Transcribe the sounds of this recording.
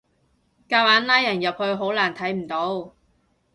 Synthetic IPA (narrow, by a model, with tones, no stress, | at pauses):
kaː˧waː˨˥nlaː˥jɐ˨˩njɐ˨p̚hɵ˧ɥɦo˨˥wlaː˨˩nt̪ʰɐ˨˥jm̩˨˩t̪o˨˥w